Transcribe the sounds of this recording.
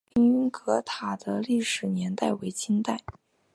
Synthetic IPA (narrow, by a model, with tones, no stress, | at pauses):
i˥ŋy˥nkɤ˧˥t̪ʰa˨˩d̪̥ə˦li˥˩ʂɻ̩˨˩njɛ˧˥nt̪a˥˩ɪwe˧˥ɪt͡ɕʰi˥nt̪a˥˩ɪ